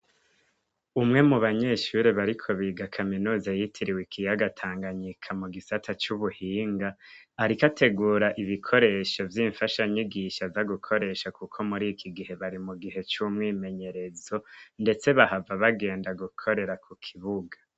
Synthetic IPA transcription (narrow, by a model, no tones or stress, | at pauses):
umŋe̞muβaɲe̞ʃuɾeβaɾikʰo̞βiːɡakʰaminuːzajitʰiɾiwikʰijaɡatʰaːŋɡaɲikʰamuɡisatʰat͡ʃuβuhiːŋɡaː | ɾikatʰe̞ɡuːɾaʔiβikʰo̞ɾe̞ʃo̞vjiːɱfaʃaɲiɡiːʃavaɡukʰo̞ɾe̞ːʃakukʰomuɾikʰiɡiɦe̞βaɾimuɡiɦe̞t͡ʃumŋiːme̞ɲe̞ɾe̞zo̞nde̞t͡se̞βahavaβaɡe̞ːndaɡukʰo̞ɾe̞ɾakukʰiβuɡa